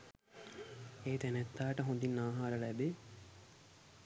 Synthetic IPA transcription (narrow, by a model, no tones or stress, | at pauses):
eːt̪ænɛt̪ːaːʈəɦũnd̪inːaːɦaːɾəlæbe